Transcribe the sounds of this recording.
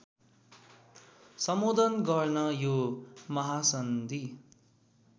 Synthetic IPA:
sʌmod̪ʌnɡʌrnʌjomʌɦasʌnd̪i

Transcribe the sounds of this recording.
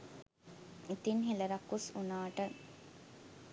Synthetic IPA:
it̪inɦeləɾɐkːusunaːʈə

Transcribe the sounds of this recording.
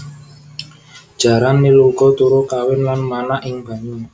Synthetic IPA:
d̥ʒ̥a̤ɾanːiluɡɔt̪uɾokawɪnlanmanaʔɪŋb̥a̤ɲu

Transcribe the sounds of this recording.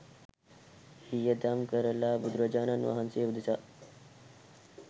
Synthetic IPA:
hijəd̪amkəɾəlabud̪ɾəd͡ʒaːnanʋɐ̰ɦanseːʋud̪isa

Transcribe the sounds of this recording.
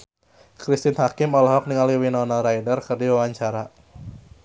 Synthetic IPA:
kɾist̪ɪnhakɪmɔlɔɦɔk̚niŋaliwinɔnalɾajdərkɨrdiwawaɲt͡ʃaɾa

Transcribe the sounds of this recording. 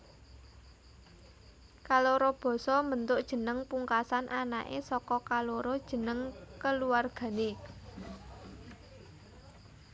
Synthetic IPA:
kaloɾob̥ɔ̤sɔmənt̪ʊʔd̥ʒ̥ə̤nəŋpuŋkasanʔana̰ʔesɔkɔkaloɾɔd̥ʒ̥ə̤nəŋkəluarɡ̥ä̤ne

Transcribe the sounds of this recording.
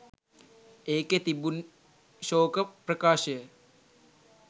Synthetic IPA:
eːket̪ibun | ʃoːkɐprɐkaːʃɐe

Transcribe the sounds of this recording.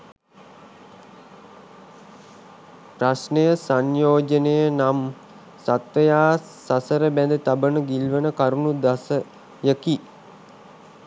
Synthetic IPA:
pɾasnejəsanjoːd͡ʒənejənam | sat̪ʋəjaː | sasəɾəbænd̪ət̪abənəɡilʋənəkaɾunud̪asə | jəki

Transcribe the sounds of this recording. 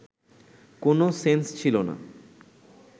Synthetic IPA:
konosenst͡ɕʰilona̰

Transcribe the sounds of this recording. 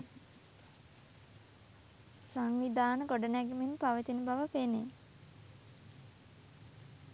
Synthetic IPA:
saŋʋid̪aːnəɡoɖənæɡimenpaʋət͡ʃənəbaʋəpene

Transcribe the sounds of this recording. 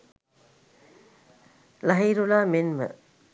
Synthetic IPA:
laɦiːɾulaːmenmə̰

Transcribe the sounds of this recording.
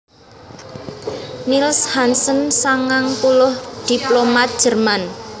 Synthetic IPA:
nilshansənsaŋaŋpulʊhd̪̥i̤plomat̪̚d̥ʒ̥ə̤rman

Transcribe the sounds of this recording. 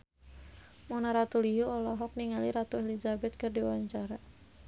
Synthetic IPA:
mɔnaɾat̪ulijuɔlɔɦɔk̚niŋaliɾat̪uelizabɛt̪̚kɨrdiwaɲt͡ʃaɾa

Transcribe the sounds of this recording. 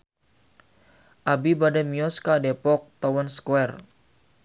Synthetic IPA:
ʔabibadamiɔskadɛpɔk̚t̪ɔwanskuɛr

